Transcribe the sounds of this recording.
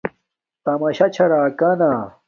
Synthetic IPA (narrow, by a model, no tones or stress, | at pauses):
t̪ɐmɐɕɐt͡ɕʰɐɾaːkana